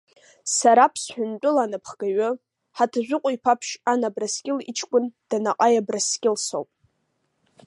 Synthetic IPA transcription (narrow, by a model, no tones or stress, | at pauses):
saɾapʰsħʷᶣʊnt͡pʼʊlanɨpʰχɡ̥aɥʊ | ħatʰaʒᶣʷʊqʷʼʊipʰapʰʃanabraskʲʼɪlḭt͡ʃʰkʷʼʊnd̥anaqʼajabraskʲʼɪlso̰wpʼ